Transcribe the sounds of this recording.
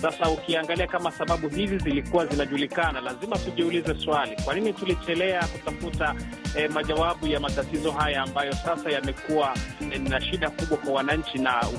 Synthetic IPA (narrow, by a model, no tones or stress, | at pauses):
sasaukiaŋɡaliakamasaɓaɓuɦizizilikuwazinaʄulikanalazimatuʄiulizɛswalikwaninitulit͡ʃɛlɛakutafuta | maʄawaɓujamatatizɔɦajaːmbajɔsasajamɛkuwanaʃiɗakuɓwakwawanaɲ̩t͡ʃina